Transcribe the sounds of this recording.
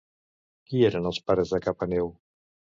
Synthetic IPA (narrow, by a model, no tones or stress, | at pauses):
kieɾənəlˠspaɾəzakapanew